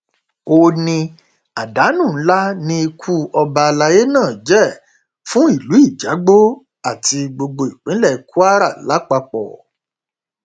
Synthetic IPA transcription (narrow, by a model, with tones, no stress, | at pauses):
o˧nĩ˧ | a˨da˨˦nũ˦˨˦la˦nĩ˧i˧kʰu˦ɔ˧ba˧la˧je˦nãː˦˨d͡ʒɛ˦˨ | fũ˦i˦˨lu˨˦i˦˨d͡ʒa˨˦ɡ͡bo˦ | a˦˨ti˧ɡ͡bo˧ɡ͡bo˧i˨k͡pĩ˨˦lɛ˦˨˦ku˦a˦ɾa˦˨la˨˦k͡pa˧k͡pɔ̰˨